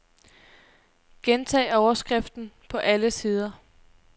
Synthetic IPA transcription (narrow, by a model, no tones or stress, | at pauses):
ɡ̥ent͡sʰɛ̰ːɒʊɐsɡ̥ʁɛfd̥n̩pʰɒ̽ʔæləsiːð̞ˠɐ